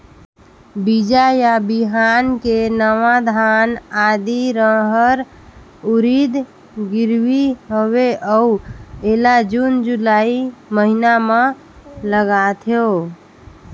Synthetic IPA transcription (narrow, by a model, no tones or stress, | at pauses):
bid͡ʒajabiɦankenəʋad̪ʱanad̪iɾəɦəɾ | uɾid̪ | ɡiɾʋiɦoweʔəuelad͡ʒund͡ʒulaiməɦiname | ləɡat̪ʰjo